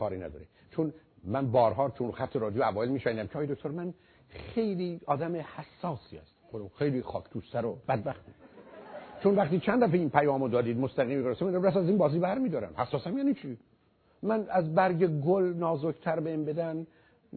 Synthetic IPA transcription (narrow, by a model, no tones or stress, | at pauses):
kʰɒːɾinæ̰d̪ɒ̰ːɾe | t͡ʃʰonmænbɒːɾɦɒːt͡ʃʰonxæt̪ʰːeɾɒːd̪ijoævɒːelmiːʃæind̪æmcʰeɒːjed̪ok̚ʰʲt̪oɾmæn | xe̞jliːɒːd̪æmehæsːɒːsiːæ̰st̪od̪xejlixɒːcʰt̪ʰuːst̪æɾob̥æd̪̚bæxt̪i | t͡ʃʰonvæχt̪iːt͡ʃʰænd̪d̪æfeinpʰæjɒːmod̪ɒːd̪iːd̪most̪æɣiːmiɡoɾefsemind̪ɾæmpæsæzinbɒːziːbæɾmiːd̪ɒːɾæ̰mhæsːɒːsæmjæːnit͡ʃʰi | mænæzbæɾɟeɡolnɒːzokt̪ʰæɾbeembed̪æn